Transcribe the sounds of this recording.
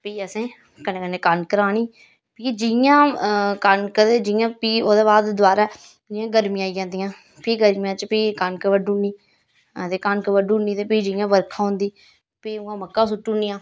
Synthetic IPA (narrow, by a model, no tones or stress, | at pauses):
piːəsẽː | kəneːkəneːkənkəɾaːɽ̃iː | piːd͡ʒɪjãːkənkəed͡ʒɪjãːpiːoːd̪eːβaːd̪d̪ʊaːɾaː | ɪjãːɡəɾmĩːaːiːd͡ʒãːnd̪ijãː | piːɡəɾmijãːt͡ʃpiːkənkəʋəɖuːniː | ət̪eːkənkəʋəɖuːniːt̪eːpiːd͡ʒɪjãːʋəɾkʰãːɦʊ̃nd̪iː | piːʊãːməkːãːs̬ʊʈːunijãː